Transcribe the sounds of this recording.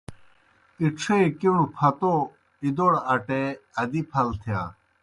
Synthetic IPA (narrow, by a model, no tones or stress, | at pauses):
iʈ͡ʂʰekiñupʰɐt̪o | id̪oɽɐʈeɐd̪ipʰɐlt̪ʰjaː